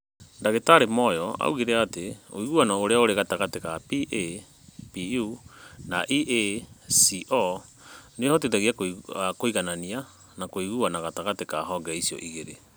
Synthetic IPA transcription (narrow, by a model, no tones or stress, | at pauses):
ndaɣetaɾemɔjɔa̰uɣiɾeateo̰iɣuanɔoɾeaoɾeɣataɣatekapiʔe | piunaʔiʔesiʔɔ | neehɔt̬etaɣiakakoiɣanania | nakoiɣuanaɣataɣatekaɦɔɡɛisiɔ̰ʔiɣeɾe